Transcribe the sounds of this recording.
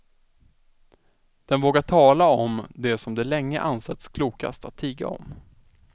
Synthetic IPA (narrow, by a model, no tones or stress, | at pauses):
d̪̥ɛnvoːɡaʈʰɑːlaɔmd̪ɛsɔmd̪ɛlɛŋːə̰ʔansɛt̪skʰluːka̰st̪at̪ʰːiːɡa̰ɔ̰m